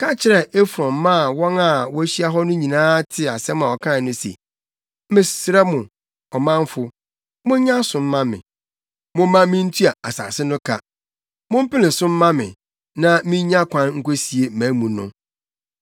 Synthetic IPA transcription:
kʰa˦t͡ɕʰɪ˨ɾɛ˦˨e˦fɾɔ̃˨m˦mã˦˨wɔ̃˦na˨wɔ˦ɕi˦a˦ɦɔ˦nʊ̃˦ɲĩ˨nãː˦tʰɪ˨a˨sɛ˦mã˨ɔ˨kʰã˦˨nʊ̃˦sḛ˨˦ | mɪ̃˨sɾɛ˦mʊ̃˨ | ɔ˨mã˦ɱ˦fʊ˦ | mʊ̃˦ɲã˦sʊ̃˨m̩˦mã˦mɪ̰̃˨ | mʊ̃˦mã˦mɪ̃˦n̩˦tʰu˦a˨a˨sa̰ː˨sɪ˦nʊ̃˦kʰa˦ | mʊ̃˦m̩˦pɪ˦lɪ̃˨sʊ̃˦m̩ː˦ã˦mɪ̰̃˨ | nã˦mĩ˦ã˦kʷʰã˦nŋ̩˦ko˦si˨e˨mæ̃˨˦mũ˨nʊ̰̃˦

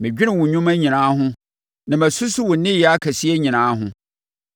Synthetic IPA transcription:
mɪ̃˨d͡ʑᶣi˦nɪ̃˨wʊ̃˨ɲᶣʊ̃˦mæ̃˦ɲĩ˨nãː˨˦ɦʊ̃˦ | nã˨mæ̃˨sʊ˦sʊ˦wʊ̃˨˦nɪ̃˦ji˨˦a˦kʰæ˨si˦e˦ɲĩ˨nãː˨˦ɦʊ̃˦

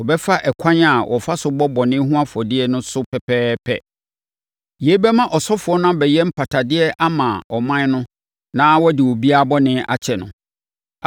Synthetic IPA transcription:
wɔ˨bɛ˦fa˦ʔɛ˨kʰã˦ɲa˨wʔɔ̰˨fa˦sʊ˨bɔ˦bɔ˨nɪ̃˦ɦũ˦a˦fɔ˨dɪ˦ɛ˦nʊ̃˦sʊ˦pʰɛ˨pʰɛː˦pʰɛ̰˦ | je˨˦bɛ˦mã˦ʔɔ˨sɔ˦fʊ˨ɔ˦nã˦bɛ˨jɛ˦m̩˦pʰa˨tʰa˨dɪ˦ɛ˦ʔa˦mã˨ɔ˨mã˦nʊ̃˦ | nã˦wɔ˦dɪ˨wo˨bi˦a˦bɔ˦nɪ̃˦ʔa̰˦t͡ɕʰɛ˨nʊ̰̃˨

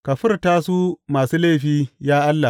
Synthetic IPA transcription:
kɐ˨ɸɪ˦rtaː˦suː˦maː˨suː˦le˦˨ɸiː˦jaː˦ʔa˦lːa˨

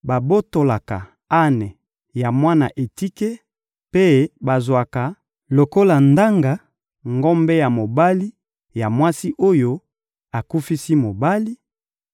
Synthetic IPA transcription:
ba˨bo˦to˨la˨ka̰˨ | a˦nɛ˨ | ja˨mwa˦na̰˨ʔe˨ti˦ke˦ | pe˦ba˨zwa˨ka˨ | lo˨ko˦la˨nda˦ŋɡa˨ | ŋɡɔ˦mbe˦ja˨mo˨ba˦li˦ | ja˨mwa˦si˦ʔo˦jo˦ | a˨ku˦fi˦si˦mo˨ba˦li˦

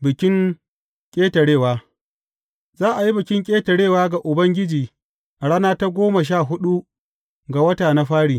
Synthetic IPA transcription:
bɪ˨kʲɪ˦ŋ | kʲʼeː˦tɐ˨ɽeː˦˨waː˦ | zaː˦ʔa˨ji˦bɪ˨kʲɪ˦ŋkʲʼeː˦tɐ˨ɽeː˦˨waː˦ɡa˨ʔʊ˨bɐ˦ŋɡʲɪ˦d͡ʒiː˨ | ʔa˨ɽaː˦naː˦ta˦ɡʷoː˦ma˨ʃ̬aː˦˨ɦʊ˦ɗu˦ | ɡa˨wɐ˦taː˨na˦ɸaː˦ɽiː˨

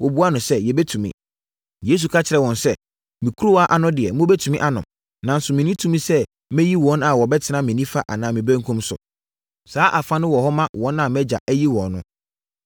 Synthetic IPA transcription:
wɔ˨bu˦a˦nʊ̃˨sɛ˦jɛ˨bɛ˦tʰũ˨mḭ̃˦ | je˦s̬u˨kʰa˦t͡ɕʰɪ˨ɾɛ˨wɔ̃˨nsɛ˦ | mĩ˨kʰu˦ɾo˦wa˦ʔa˦nʊ̃˦dɪ˨ɛ˨mʊ̃˦bɛ˦tʰũ˨mĩ˦ʔa˦nʊ̰̃˨ | nã˨n̩˦sʊ˨mĩ˨nĩ˦tʰũ˦mĩ˦sɛ˦ | mɛ̃˦ji˦wɔ̃˨˦na˨wɔ˨bɛ˦tʰɪ˨˦nã˦mĩ˨nĩ˦fa˦ʔa̰˨nãː˨˦mĩ˨bæ̃˦ŋkʰũ˦msʊ̰˨ | saː˨˦ʔa˨fã˦nɪ̃˦wɔ˨hɔ˦mã˦wɔ̃˦nã˦˨mɛ˦d͡ʑa̰˨ʔæ˦ji˦wɔ̃˨nːʊ̃˦

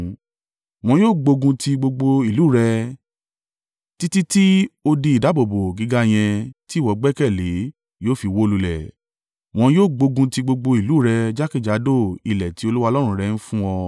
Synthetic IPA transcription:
w̃ɔ̃˧joː˦˨ɡ͡bo˧ɡũ˧ti˧ɡ͡bo˧ɡ͡bo˧i˨lu˨˦˨ɾɛ˧ | ti˦ti˦ti˦o˧di˧˦i˨da˨˦bo˨bo˨ɡi˨˧˦ɡa˦j̃ɛ̃˧ti˦˨wɔ˧˨ɡ͡bɛ˦kɛ˦˨le˨˦ | joː˦˨fi˧wo˦lu˧lɛ̰˨ | w̃ɔ̃˧joː˦˨ɡ͡bo˧ɡũ˧ti˧ɡ͡bo˧ɡ͡bo˧i˨lu˨˦ɾɛ˧d͡ʒa˦ki˦˨d͡ʒa˨˦do˦˨i˨lɛ˨ti˨˦o˧lu˦wa˧lɔ˦ɾ̃ũ˧˦˨ɾɛ˧n̩˦fũ˦ɔ˧

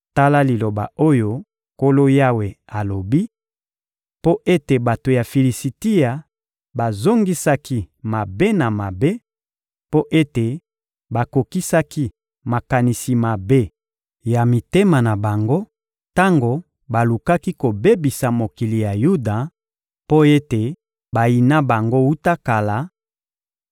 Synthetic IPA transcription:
ta˦la˦li˨lo˨ba̰˨o˦jo˦ | ko˦lo˦ja˦we˨a˨lo˨bi˦ | po˦ʔe˦te˨ba˨to˨ja˨fi˨li˨si˨ti˦ja˨ | ba˨zo˦ŋɡi˦sa˦ki˦ma˨be˦na˨ma˨be˦ | po˦ʔe˦te˨ | ba˨ko˨ki˦sa˦ki˦ | ma˨ka˨ni˨si˨ma˨be˦ | ja˨mi˨te˦ma˨na˨ba˨ŋɡo˦ | ta˦ŋɡo˨ | ba˨lu˨ka˦ki˦ko˨be˦bi˨sa˨mo˨ki˨li˨ja˨ju˦da˨ | po˦e˦te˨ | ba˨ji˨na˦ba˨ŋɡo˦u˦ta˦ka˨la˨

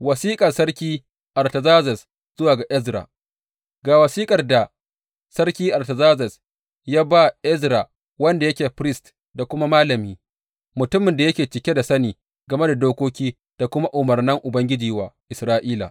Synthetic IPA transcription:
wɐ˨siː˦kʼɐ˨sɐ˦rkʲiː˦ | ʔa˨rtɐ˨zaː˦zɐ˨s | z̥ʊ˦waː˨ɡa˨ʔɛ˦zɾa̰˨ | ɡaː˨wɐ˨siː˦kʼɐ˨rda˨ | sɐ˦rkʲiː˦ʔa˨rtɐ˨zaː˦zɐ˨s | jaː˦ba˦˨ʔɛ˦zɾa˨ | wɐ˦nda˨jɐ˦kʲeː˨ɸɾɪ˦st | da˨kʷʊ˦ma˦maː˦lɐ˨miː˦ | mʊ˨tʊ˦mɪ˨nda˨jɐ˦kʲeː˨t͡ʃɪ˨kʲe˦da˨sɐ˦niː˨ | ɡɐ˨me˦da˨doː˦kʷoː˦kʲiː˦ | d̥a˨kʷʊ˦ma˦ʔʊ˨mɐ˨rnɐ˦ŋʔʊ˨bɐ˦ŋɡʲɪ˦d͡ʒiː˨˦waː˨ʔɪ˨sɾaː˦ʔiː˦la̰˨

